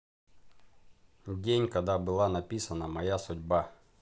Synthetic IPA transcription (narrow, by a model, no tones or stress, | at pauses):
dʲenʲkɐd̪abɨlˠanɐpʲisənəmɐjasʊdʲba